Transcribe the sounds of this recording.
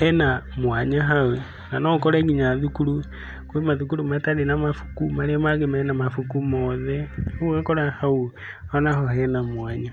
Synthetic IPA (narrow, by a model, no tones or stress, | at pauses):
hɛnamwaɲaɦawe | nanokoɾeɣiɲaðukuɾu | kwemaðukuɾumataɾenamafu̥kumaɾemaɣemenamafukumoðɛuɣakoɾahau | onahohɛnamwaːɲa